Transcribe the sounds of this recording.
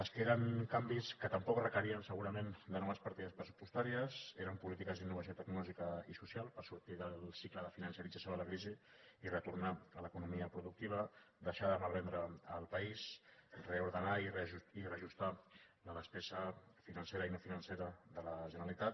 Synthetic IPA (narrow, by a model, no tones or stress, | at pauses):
əlskeɾəŋkambiskət̪əmpɔkrəkəɾiənsəɣuɾəmend̪ənɔβəspəɾt̪iðəspɾəsu̥pust̪aɾiəzeɾəmpulit̪ikəzðinːuβɐsjot̪əɡnulɔʒikəisusjalˠpəɾsuɾt̪iðəlˠsikləðəfinənsəɾid͡zasjoələkɾiziirət̪uɾnaələkunumiəpɾuðuk̚t̪iβ̞əd̪əʃaðəmalβɛnd̪ɾəəlˠpəisreuɾðənaireʒuirəʒust̪a | ləðəspesəfinɐnseɾəinofinənseɾəðələʒənəɾəlit̪at̪